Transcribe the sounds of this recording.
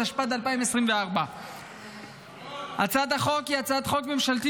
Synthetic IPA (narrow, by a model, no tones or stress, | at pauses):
aʃpad̪alpaimesʁimveaʁba | hat͡sad̪aχo̞kiat͡sad̪χo̞kme̞mʃalt̪i